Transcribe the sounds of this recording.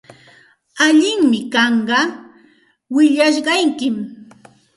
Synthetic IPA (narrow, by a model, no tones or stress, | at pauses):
aʎɪŋmɪkɑɴɢɑ | wɪʎaʃ̬ɢɑjkɪm